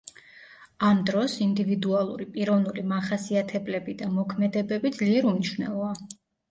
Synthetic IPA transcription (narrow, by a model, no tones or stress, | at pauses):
amd̪ɾɔsind̪ivid̪ualˠṵɾipʼiɾɔvnulimaχasiat̪ʰɛblɛbid̪amɔkʰmɛd̪ɛbɛbid̪zliɛɾumniʃwnɛ̰lˠɔa